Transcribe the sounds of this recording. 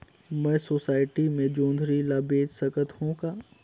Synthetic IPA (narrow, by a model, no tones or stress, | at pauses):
mɛ̃ːsoːsaːɪʈimẽd͡ʒõːnd̪ʱɾilaːbeːd͡ʒsɐkət̪hõkaː